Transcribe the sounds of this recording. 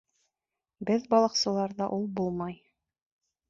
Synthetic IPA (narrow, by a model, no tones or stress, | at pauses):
bɘðbɑlˠɤ̆qsɤ̆lˠɑɾðɑʔulˠbulˠmɑj